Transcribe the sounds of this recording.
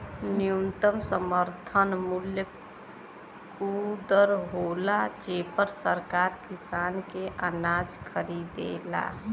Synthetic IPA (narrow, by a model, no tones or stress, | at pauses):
nijunt̪əmsəməɾt̪ʰənmuljə | kud̪əɾɦolad͡ʒeːpəɾsəɾkaɾkisaːnkeʔənad͡ʒkʰəɾid̪ḛla̰